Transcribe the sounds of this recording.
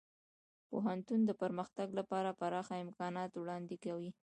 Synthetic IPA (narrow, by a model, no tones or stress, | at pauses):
poɦant̪und̪əpəɾməxt̪aɡlapɑɾapaɾɑxaɪmkɑnɑt̪wɽɑnd̪ekawi